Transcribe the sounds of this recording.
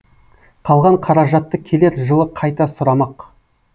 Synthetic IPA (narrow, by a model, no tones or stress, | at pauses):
qʰɑlˠʁɑɴqʰɑɾɑʒɑt̪ːəkʲʰe̞le̞ɾʒəlˠəqʰɑjt̪ɑsʊɾɑmɑq